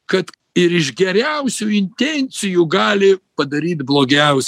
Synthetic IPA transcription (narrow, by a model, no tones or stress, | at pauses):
kɐt̪ | ɪɾɪʒɡʲɛɾʲɛʊsʲuːɪnʲt̪ʲɛnʲt̪sʲɪjuɡɑːlʲɪpɐd̪ɐɾʲiːt̪blˠoːɡʲɛʊsʲ